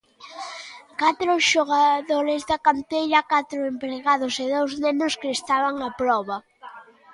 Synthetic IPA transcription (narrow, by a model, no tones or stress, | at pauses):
kat̪ɾʊʃoɣ̞aðoɾezðakant̪ejʎɐkat̪ɾʊempɾeɣaðʊsɪðowznenʊskɪːst̪aβaŋapɾɔβɐ